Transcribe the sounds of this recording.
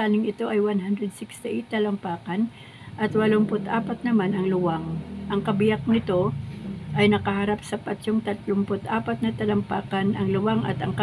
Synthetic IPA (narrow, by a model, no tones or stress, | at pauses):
aːnɪŋɪt̪o̞ʔɐjwanɦand̪ɾɛd̪̚sɪkst̪ɪʔejt̪ːɐlɐmpaːkɐn | ʔɐt̪wɐlompʊt̪ʔaːpɐt̪̚nɐmanɐŋlʊwaŋʔɐŋkɐbɪjak̚nɪt̪o̞ʔɐjnɐkɐhɐɾapsɐpat͡ʃoŋt̪ɐt̪lʊmpʊt̪ʔaːpɐt̪̚nɐt̪ɐlɐmpaːkɐnʔɐŋlʊwaŋɐ̰t̪ɐŋkɐ